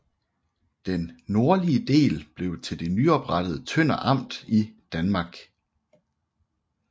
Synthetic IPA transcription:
d̥enːo̝ɐliəd̥e̝̰ːlb̥le̝ʊt͡sʰe̝ld̥e̝nyɒ̽b̥ʁɑd̥əð̩ˠət͡sʰøn̰ɐʔɑ̈m̰d̥id̥ænmɑ̈ɡ̥

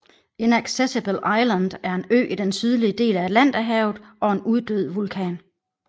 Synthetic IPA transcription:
e̝næɡ̥sesib̥əlʔɑ̈ɪlænd̥æɐe̝nø̰ːʔid̥ensyð̞ˠliəd̥e̝̰ːlæ̥læn̰d̥æɦɛʊð̩ˠɒ̽e̝nuð̞ˠd̥øð̞̰ˠʋulkʰɛ̰ːn

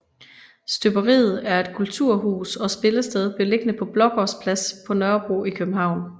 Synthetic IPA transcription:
sd̥øb̥ɐʁḭːð̩ˠæɐe̝d̥kʰult͡sʰuɐ̰ɦṵːsɒ̽sb̥e̝ləsd̥eð̞ˠb̥e̝le̝ɡ̥ənəpʰɒ̽b̥lɒ̽ɡ̥ɒspʰlæspʰɒ̽nɶɐb̥ʁuikʰøb̥̚m̩ɦɑ̈ʊ̰n

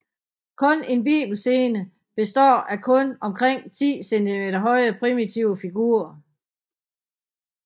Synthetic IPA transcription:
kʰɔ̽ne̝nb̥ḭːb̥l̩se̝ːnə | b̥e̝sd̥ɒ̰ːʔækʰɔ̽nɒ̽mkʰʁeŋ̰t͡sʰḭːsend̥imeɾɐɦɒ̽ɪ̰əpʰʁimit͡sʰiʊəfiɡ̥uɐ

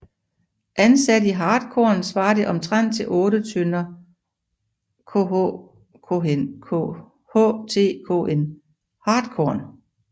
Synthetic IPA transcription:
ʔænsæɾəiɦɑ̈ːd̥̚kʰɔːnsʋɑ̈ːd̥e̝ʔɒ̽mt͡sʰʁan̰d̥̚t͡sʰe̝lʔɔ̽ːɾət͡sʰønɐ | kʰo̰ | kʰoenkʰo̰ | hɔ̰t͡sʰe̝̰ːkʰo̰ːʔen | hɑ̈ːd̥̚kʰɒɐn

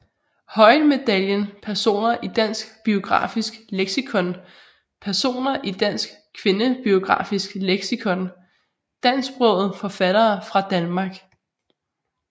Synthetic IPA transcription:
hɒ̽ɪnme̝d̥æljənpʰæɐso̝̰ːnɐʔid̥æn̰sɡ̥b̥io̝ɡ̥ʁɑ̰̈ːfisɡ̥leɡ̥sikʰɔ̽n | pʰæɐso̝̰ːnɐʔid̥æn̰sɡ̥kʰʋe̝nəb̥io̝ɡ̥ʁɑ̰̈ːfisɡ̥leɡ̥sikʰɔ̽n | d̥æn̰sb̥ʁɔʊð̞̩ˠfɒ̽fæɾ̥ɐːfʁɑ̈d̥ænmɑ̈ɡ̥

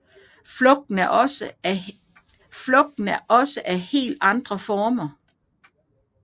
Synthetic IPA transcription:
flɔ̽ɡ̥̚d̥n̩ | flɔ̽ɡ̥̚d̥n̩æʔɒ̽səʔæhe̝̰ːld̥ɑ̈nd̥ʁɐfɒːmɐ

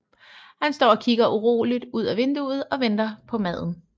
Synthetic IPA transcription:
hænsd̥ɒ̰ːɒ̽kʰiɡ̥ɐʔuʁo̝̰ːlid̥uð̞̰ˠæʋe̝nd̥uð̩ˠɒ̽ʋend̥ɐpʰɒ̽mæð̞̰ˠn̩

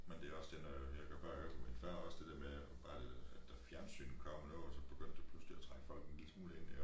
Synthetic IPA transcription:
mend̥e̝æɒ̽sd̥eɐnɒhekɒb̥ɑ̰ɡ̥ɒɡ̥ɒminfæɐɒ̽sd̥e̝d̥e̝ɐ̰me | b̥ɑ̈ːd̥eæd̥d̥æfjæɐnsy̰ːnn̩kʰɒ̽m̰nɔːɒsɒ̽b̥e̝ɡ̥øn̰d̥epʰlusliæt͡sʰʁɑ̈ŋ̥ə̥fɒ̽l̰ɡ̥enlḭ̥smuːlen̰e

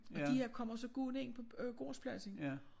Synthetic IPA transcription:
ɒd̥iheɐkʰɒ̽m̰ɐsɒ̽ɡ̥uːne̝ŋ̰pʰɒ̽ɡ̥o̝̰ːspʰlæsə

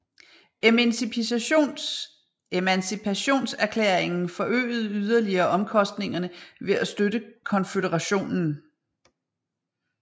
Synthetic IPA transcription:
emænsipʰiso̝̰n | emænsipʰæɕo̝̰ːnsæɐkʰlḛːɐeŋn̩fɒ̽ʔø̰ːð̞̩ˠyð̞ˠɐliɐːʔɒ̽mkʰɒ̽sd̥ne̝ŋɐnəʋe̝æsd̥ød̥əkʰɒ̽nfedəʁɑɕo̝̰ːnn̩

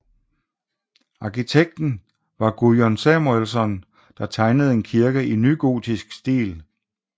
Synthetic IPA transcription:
ɑ̈kʰit͡sʰeɡ̥̚d̥n̩ | ʋɑ̈ɡ̥ujɒnsæmuelsɒ̽n | d̥ɑ̈t͡sʰɑ̈ɪnəð̞̩ˠe̝nkʰiɐɡ̥əʔinyɡ̥o̝̰ːt͡sisɡ̥sd̥ḭːl

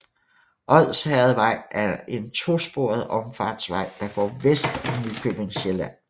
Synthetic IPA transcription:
ʔɒ̽ð̰ˠshæɛɐð̩ˠʋɑ̈ɪ̰ʔæɐe̝nt͡sʰo̝sb̥o̝ɐð̞̩ˠɒ̽mfɑ̰̈ːd̥sʋɑ̈ɪ̰d̥ɑ̈ɡ̥ɒ̰ːʋesd̥nykʰøb̥e̝ŋɕelæn̰

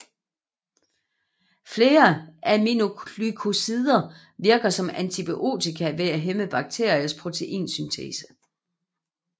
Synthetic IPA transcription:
fle̝ːɐʔæmino̝lykʰo̝siðˠɐ | ʋiɐɡ̥ɐsɒ̽mænt͡sʰib̥iʔo̝̰ːt͡sʰikʰæʋe̝æɦeməb̥ɑ̈ɡ̥̚t͡sʰe̝ɐjɐspʰʁo̝t͡sʰe̝ʔḭːnsynt͡sʰḛsə̥

